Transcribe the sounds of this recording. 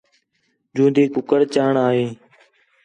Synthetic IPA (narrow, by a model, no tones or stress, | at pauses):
d͡ʒũːnd̪iːkʊkəɾt͡ʃaːɳaːɦeː